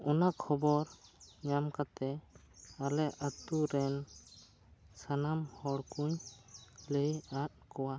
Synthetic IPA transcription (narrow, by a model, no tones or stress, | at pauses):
ɔnakʰɔbɔɾɲamkat̪ɛ | alɛʔat̪uɾɛn | sanamhɔɽkuɲ | ləjat̪̚kɔwa